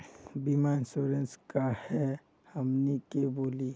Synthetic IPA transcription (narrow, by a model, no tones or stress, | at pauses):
bimansoɾə̃nskahɛ | həmnekeboːli